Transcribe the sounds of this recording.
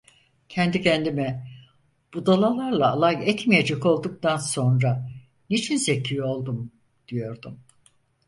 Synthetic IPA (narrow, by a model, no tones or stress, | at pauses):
cʰɛnd̪icʰɛnd̪imɛ | b̥ud̪alˠalˠaɾlˠaːlˠajɛt̪mijed͡ʒɛko̞lˠd̪uk̚t̪ʰanso̞nɾa | nit͡ʃʰinzecʰyo̞lˠd̪um | d̪̥ijo̞ɾd̪um